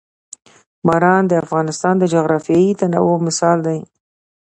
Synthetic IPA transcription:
bɑɾɑnd̪əafɣɑnɪst̪ɑnd̪əd͡ʒoɣɾɑfjɑit̪ana̰womɪsɑld̪aj

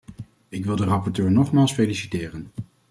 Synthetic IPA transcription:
ɪkʋɪlˠdərɑpɔɹtøːɹnɔχmaːlˠsfejlisitɪːrən

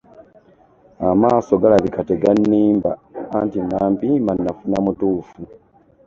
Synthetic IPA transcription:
amaːso̞ɡalaβikateɡanːiːmbaːntinaːmpimanːafunamutuːfu

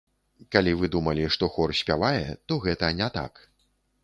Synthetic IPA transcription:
kalʲivɨd̪umɐlʲiʂt̪ɔxɔrsʲpʲavajɛt̪ɔɣɛt̪ɐnʲɛt̪a̰k

